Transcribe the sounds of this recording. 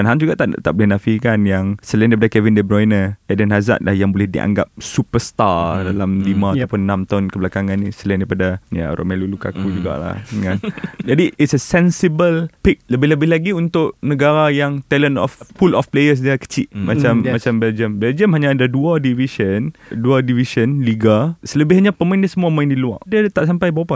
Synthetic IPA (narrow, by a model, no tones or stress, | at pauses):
anɦamd͡ʒuɡaʔt̪a̰t̪a̰ʔbəlɛnafikanjaŋsəlajndaɾipadakɛvindəbɾojnəɛdənɦaza̰t̪̚la̰hjaŋbolɛhdḭʔa̰ŋɡa̰p̚supəst̪adalamlimãat̪apʊnːãmt̪aʊnkəblakaŋanːisəlajndaipadaja̰ɾʔo̰mɛluluka̰kud͡ʒuɡa̰ʔla̰hand͡ʒadiɪtsəsɛnsibəlpik̚ləbɪhləbɪhlaɡiunt̪ʊʔnəɡaɾajaŋt̪ɛlənɔ̰fpulɔfplejəs̬diakə̥t͡ʃiʔmat͡ʃammat͡ʃambɛld͡ʒəmbɛld͡ʒəmɦaɲaːdaduadivisənduadivisənliɡasələbɪhaɲapəmaɪ̃ndasəmuaəmaɪ̃ndilua̰ʔdiat̪aʔsampajbawapa